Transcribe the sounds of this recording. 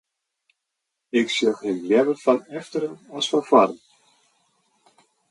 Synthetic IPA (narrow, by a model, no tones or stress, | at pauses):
ɪksɪlxɪnljɛvəfɔnɛftəɾənɔsfɔnfwaɾən